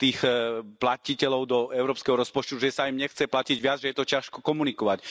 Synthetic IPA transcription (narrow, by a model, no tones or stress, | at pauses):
t̪iːxplacicɛlɔʊd̪ɔɛʊɾɔːpskɛɦɔɾɔspɔt͡ʃt̪uʒɛsaimɲɛxt͡sɛplaciɟʋɪad͡zʒɛjɛt̪ɔcɪaʃkɔkɔmunikɔʋac